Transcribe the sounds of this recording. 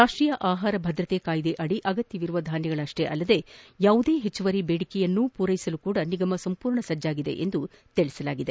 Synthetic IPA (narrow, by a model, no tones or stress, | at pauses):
ɾaːʂʈɾiːjɐʔaːɦaːɾɐbʱɐd̪ɾɐt̪ekaːjid̪eʔɐɽiʔɐɡɐt̪jɐʋiɾuʋɐd̪ʱaːnjɐɡɐɭɐʂʈe̞ʔɐlːɐd̪e̞jaːʋud̪e̞ːɦet͡ʃːuʋɐɾibeːɽikɛjɐnːupuːɾɐjisɐlukuːɽɐniɡɐmɐsɐmpuːɾɳɐsɐd͡ʒːaːɡid̪e̞̰ʔend̪u | t̪iɭisɐlaːɡid̪e